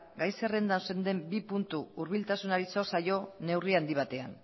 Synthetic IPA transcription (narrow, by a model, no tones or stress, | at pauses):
ɡajsere̞nd̪anse̞nd̪e̞mbipunt̪uuɾβilt̪asunaɾiso̞sajo̞ne̞wriand̪iβ̞at̪e̞a̰n